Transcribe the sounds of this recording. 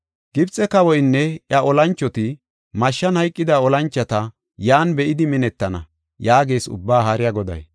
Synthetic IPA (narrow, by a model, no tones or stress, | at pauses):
ɡ̥ɪbt͡sʼːɛkɐwɔjnːɛʔjɐʔɔlɐnt͡ʃːɔt̪ɪ | mɐʃːɐnhɐjkʼːɪd̪ɐɔlɐnt͡ʃːɐt̪ɐ | jaːnbɛʔɪd̪ɪmɪnɛt̪ːɐnɐ̰ | jaːɡe̞ːsʊ̰bːaːɦaɾɪjɐɡɔd̪ɐ̰j